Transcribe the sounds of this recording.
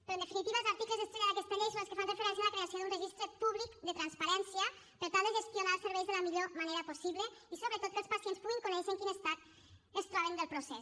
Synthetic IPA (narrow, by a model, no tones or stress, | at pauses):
peɾoend̪efinit̪iβalzaɾt̪iklezest̪ɾeɣaɾakest̪elejsolskefanrefeɾɛns̬ianlakɾeasjod̪unreʒist̪ɾepuβlikd̪ət̪ɾanspaɾɛnsja | pəɾt̪alˠd̪eəʒest̪jonalseɾβɛjzðelamiʎomaneɾaposiβleisoβɾet̪ot̪̚kəlspasjenspuɣiŋkunɛʃeŋkinest̪at̪̚ | est̪ɾaβend̪elˠpɾosɛs